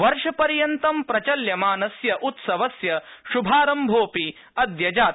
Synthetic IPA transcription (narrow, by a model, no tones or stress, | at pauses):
ʋɐɾʃɐpɐɾjɐnt̪ɐmpɾɐt͡ʃɐljɐmaːnɐsjɐʔut̪sɐʋɐsjɐʃubʱaːɾɐmbʱoːpi | ɐd̪jɐd͡ʒaːt̪